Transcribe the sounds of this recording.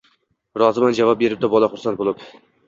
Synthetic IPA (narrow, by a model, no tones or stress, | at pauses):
ɾɒzɨmand͡ʒavɑp̚be̞ɾɪp̚d̪abɒlˠaχʊɾsant̪̚bolˠɪp